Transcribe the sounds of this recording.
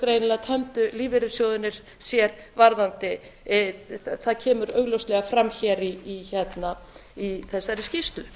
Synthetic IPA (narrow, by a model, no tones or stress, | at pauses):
kɾejnɪlat̪ʰɛmt̪ʏliːvɪɾʏsjoːwðʏnɪɾ̥ | sjɛɾvaɾðant̪ɪ | θaðcʰɛːmʏɾœːɣlowst̪lɛɣafɾamçɛɾiːçɛt̪na | iθɛsːaɾɪscist̪lʏ